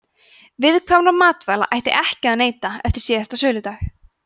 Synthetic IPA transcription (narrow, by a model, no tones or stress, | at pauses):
vɪðkʰawnamaːt̪vɛːla̰ʔa̰jht̪ɪʔɛhcɪaðneːjt̪aɛft̪ɪɾ̥sjɛːðast̪asœːlʏt̪aːx